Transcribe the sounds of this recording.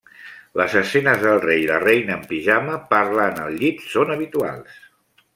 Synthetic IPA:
ləzəsɛnəzðəlˠrejlərejnəːmpiʒaməpaɾlanəlˠʎit̪sonəβ̞it̪ua̰lˠs

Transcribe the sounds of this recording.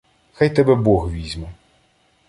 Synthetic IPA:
xajt̪ɛbɛbɔɣʋʲizʲmɛ

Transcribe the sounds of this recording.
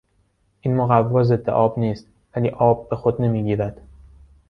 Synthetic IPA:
ʔinmoɣævːɒːze̞d̪ːeʔɒːbniːst̪ | væliːʔɒːb̚ːe̞xod̪ne̞miːɟiːɾæd̪̥

